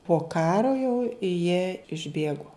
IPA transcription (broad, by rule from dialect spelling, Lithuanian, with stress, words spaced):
poː ˈkɑːroː jɛʊ jiɛ ɪʒʲˈbʲeːɡoː